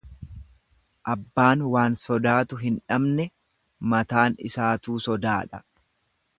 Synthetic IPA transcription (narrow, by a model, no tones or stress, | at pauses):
ʔɐbːaːnwaːnsɔd̪aːt̪ʊɦɪnᶑɐmnɛ | mɐt̪aːnɪ̰saːt̪uːsɔd̪aːᶑɐ